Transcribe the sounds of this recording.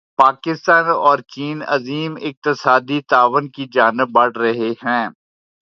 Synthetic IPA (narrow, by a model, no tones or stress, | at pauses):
paːkɪst̪aːnɔːɾt͡ʃiːnɐziːmɪk̚t̪ɪsaːd̪it̪aːʋənkid͡ʒaːnɪbːɐɽ̤ɾɐɦeɦɛ̃ː